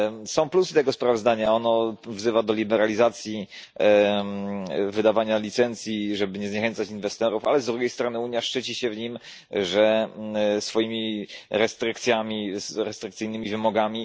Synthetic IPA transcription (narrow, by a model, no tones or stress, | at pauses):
sɔ̃w̃plusɘt̪ɛɡɔspɾavɔzd̪aɲaɔnɔvzɘvad̪ɔlʲibɛɾalʲizat̪sʲji | vɘd̪avaɲalʲit̪sɛnt̪sʲjiʐɛbɘɲɛzɲɛxɛnt̪sat͡ɕinvɛst̪ɛɾufalɛzd̪ɾuɡʲejst̪ɾɔnɘuɲjaʂt͡ʂɘt͡ɕiɕɛvɲim | ʐɛ | sfɔjimʲiɾɛst̪ɾɘkt̪sʲjamʲiɾɛst̪ɾɘkt̪sɘjnɘmʲivɘmɔɡamʲi